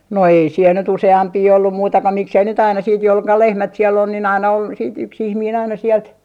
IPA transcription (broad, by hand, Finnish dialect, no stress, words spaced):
no ei siel nyt useɑmpiː olːum muitɑ ko miksei nyt ɑinɑ siːt jol kɑ lehmæt sielː on nin ɑinɑ on siːt yks ihmiːn ɑinɑ siɛlt